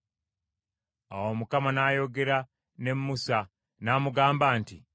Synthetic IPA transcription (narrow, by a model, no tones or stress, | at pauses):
a̰womukamanaːjo̞ɡe̞ɾa | ne̞mːusa | naːmuɡaːmbaːntḭ